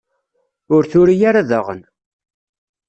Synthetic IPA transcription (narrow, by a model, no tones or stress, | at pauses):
ʊɾθʊɾijaɾaðə̰ʁə̰n